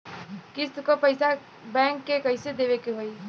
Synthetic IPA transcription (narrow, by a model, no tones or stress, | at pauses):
kɪst̪kopəɪsa | bɛ̃ːŋkːekəɪsed̪eʋekeɦoːi